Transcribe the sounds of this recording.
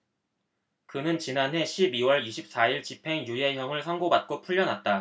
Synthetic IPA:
kɯnɯnt͡ɕinanɦe̞ɕʰibiwʌɭiɕʰip̚s͈aiɭt͡ɕipʰe̞ŋjuje̞ɦjʌŋɯɭsʰʌŋɡobat̚k͈opʰuʎːʌnɦat̚t͈a

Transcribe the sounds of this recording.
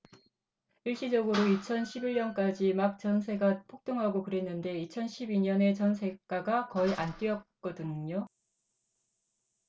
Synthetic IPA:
iɭɕ͈id͡ʑʌɡɯɾoit͡ɕʰʌnɕʰibiɭːɲʌnk͈ad͡ʑimak̚t͡ɕ͈ʌns̬ʰe̞ɡapʰok̚t͈ɯŋɦaɡokɯɾe̞nːɯnde̞it͡ɕʰʌnɕʰibiɲʌne̞t͡ɕʌnsʰe̞k͈aɡakʌiʔank͈iʌt̚k͈ʌdɯɲɲo

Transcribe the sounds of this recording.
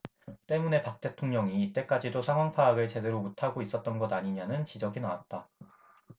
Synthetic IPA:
t͈e̞mune̞pak̚t͈e̞tʰoŋɲʌŋiːt͈e̞k͈ad͡ʑidosʰaŋɦwaŋpʰaːɡɯɭt͡ɕe̞de̞ɾomotʰaɡois͈ʌt̚t͈ʌnɡʌdaɲiɲanɯnt͡ɕid͡ʑʌɡinawat̚t͈a

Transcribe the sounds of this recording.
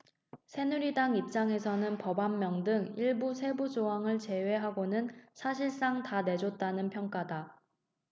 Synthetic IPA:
sʰe̞nuɾidaŋip̚t͡ɕ͈aŋe̞sʰʌnɯnpʌbanːjʌŋdɯŋiɭbusʰe̞bud͡ʑoɦaŋɯɭt͡ɕe̞we̞ɦaɡonɯnsʰaɕʰiɭs͈aŋtane̞d͡ʑot̚t͈anɯnpʰjʌŋk͈ada

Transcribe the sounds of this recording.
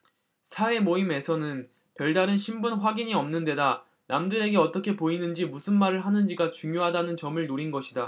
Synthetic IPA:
sʰawe̞moime̞sʰʌnɯn | pjʌɭdaɾɯnɕʰimbunɸwaɡiɲiʌmnɯnde̞da | namdɯɾe̞ɡe̞ʌt͈ʌkʰe̞poinɯnd͡ʑimusʰɯnmaɾɯɭɦanɯnd͡ʑiɡat͡ɕuŋjoɦadanɯnt͡ɕʌmɯɭnoɾinɡʌɕʰida

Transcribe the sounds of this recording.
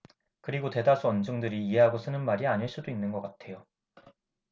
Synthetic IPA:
kɯɾiɡote̞das͈ʰuʌnd͡ʑɯŋdɯɾiːɦe̞ɦaɡos͈ɯnɯnmaɾiaɲiɭs͈udoinːɯnɡʌk͈atʰe̞jo

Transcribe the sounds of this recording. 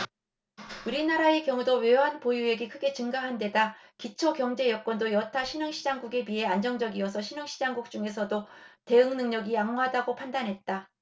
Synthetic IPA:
uɾinaɾae̞kjʌŋudoweɦanpojue̞ɡekʰɯɡe̞t͡ɕɯŋɡaɦande̞dakit͡ɕʰokjʌŋd͡ʑe̞jʌk͈̚ʌndojʌtʰaɕʰinɯŋɕʰid͡ʑaŋɡuɡe̞piɦe̞and͡ʑʌŋd͡ʑʌɡiʌsʰʌɕʰinɯŋɕʰid͡ʑaŋɡuk̚t͡ɕ͈uŋe̞s̬ʰʌdote̞ɯŋnɯŋɲʌɡijaŋɦɦadaɡopʰandanɦe̞t̚t͈a

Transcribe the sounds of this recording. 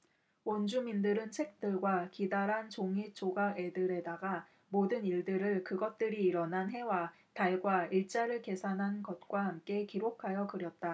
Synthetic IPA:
wʌnd͡ʑumindɯɾɯnt͡ɕʰe̞k̚t͈ɯɭɡwakidaɾɦant͡ɕoŋit͡ɕʰoɡae̞dɯɾe̞daɡa | modɯniɭdɯɾɯɭkɯɡʌt̚t͈ɯɾiːɾʌnanɦe̞wa | taɭɡwaiɭt͡ɕ͈aɾɯɭke̞sʰanɦannɡʌt̚k͈waɦamk͈e̞kiɾokʰajʌkɯɾjʌt̚t͈a

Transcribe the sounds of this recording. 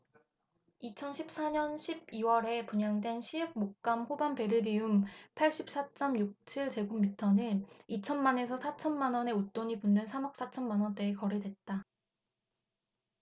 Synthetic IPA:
it͡ɕʰʌnɕʰip̚s͈aɲʌnɕʰib̚iwʌɾe̞puɲaŋdwe̞nɕʰiɯk̚mok̚k͈amɸobanpe̞ɾɯdiumpʰaɭɕ͈ip̚s͈at͡ɕ͈ʌmjuk̚t͡ɕʰiɭt͡ɕe̞ɡumːitʰʌnɯit͡ɕʰʌnmane̞s̬ʰʌsʰat͡ɕʰʌnmanwʌne̞ut͈oɲipunːɯnsʰamʌk̚s͈at͡ɕʰʌnmanwʌnt͈e̞ːkʌɾe̞dwe̞t̚t͈a

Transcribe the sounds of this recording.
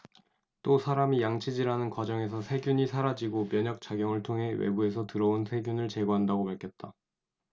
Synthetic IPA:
t͈osʰaɾamijaŋt͡ɕʰid͡ʑiɾanɯnkwad͡ʑʌŋe̞sʰʌsʰe̞ɡjuɲisʰaɾad͡ʑiɡomjʌɲʌk̚t͡ɕ͈aɡjʌŋɯɭtʰoŋɦe̞wḛbue̞sʰʌtɯɾʌonsʰe̞ɡjunɯɭt͡ɕe̞ɡoɦandaɡopaɭkʰjʌt̚t͈a

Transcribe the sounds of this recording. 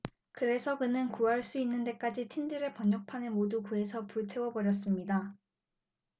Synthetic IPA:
kɯɾe̞sʰʌkɯnɯnkuɦaɭs͈uinːɯnde̞k͈ad͡ʑitʰindɯɾeɭpʌɲːʌk̚pʰanɯnmodukue̞sʰʌpuɭtʰe̞wʌbʌɾjʌs͈ɯmɲida

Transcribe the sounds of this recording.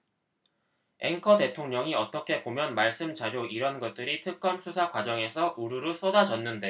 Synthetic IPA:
e̞̰ŋkʰʌte̞tʰoŋɲʌŋiʌt͈ʌkʰe̞bomjʌnmaɭs͈ɯmt͡ɕaɾjoiɾʌnɡʌt̚t͈ɯɾitʰɯk̚k͈ʌmsʰusʰakwad͡ʑʌŋe̞sʰʌʔuɾuɾɯs͈ʌdad͡ʑʌnːɯnde̞

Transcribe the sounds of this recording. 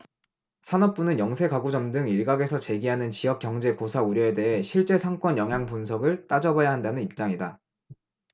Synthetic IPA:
sʰanʌp̚p͈unɯnjʌŋsʰe̞kaɡud͡ʑʌmdɯŋiɭɡaɡe̞sʰʌt͡ɕe̞ɡiɦanɯnt͡ɕiɦʌp̚k͈jʌŋd͡ʑe̞kosʰauɾjʌe̞de̞ɦe̞ɕʰiɭt͡ɕ͈e̞sʰaŋk͈wʌnjʌŋɦjaŋpunsʰʌɡɯɭt͈ad͡ʑʌbʌjaɦandanɯnip̚t͡ɕ͈aŋida

